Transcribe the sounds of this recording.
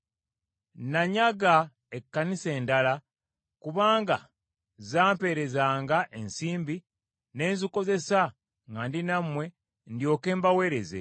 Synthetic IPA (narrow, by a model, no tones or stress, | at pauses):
naɲaɡa | ekːanise̞ːndala | kuβaːŋɡa̰ | zaːmpe̞ːɾe̞zaːŋɡaʔe̞nsiːmbi | ne̞ːnziko̞ze̞sa | ŋɡandinamwe̞ | ndjo̞ːke̞ːmbawe̞ːɾe̞zḛ